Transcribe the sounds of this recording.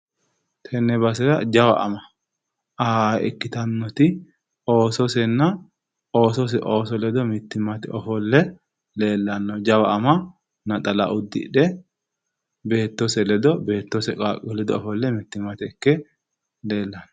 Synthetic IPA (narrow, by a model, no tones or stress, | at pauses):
t̪ʰɛnːɛbɐsɛɾɐd͡ʒɐwɐ̰ʔɐ̰mɐ | aɛ̰kːɪt̪ɐnːɔt̪ɪ | o̞ːsɔsɛnːɐ | o̞ːsɔs̬ɛʔoːsɔlɛd̪ɔmɪt̪ːɪmɐt̪ɪɔfɔlːɛ | le̞ːlːɐnːɔd͡ʒɐwɐɐmɐ | nɐt̪ʼɐlɐ̰ʔʊd̪ːɪ̰ᶑɛ | be̞ːt̪ːosɛlɛd̪ɔbe̞ːt̪ːɔsɛkʼakʼɔlɛd̪ɔɔfɔlːɛmɪt̪ːɪmɐt̪ɪɛkːɛ | le̞ːlːɐnːɔ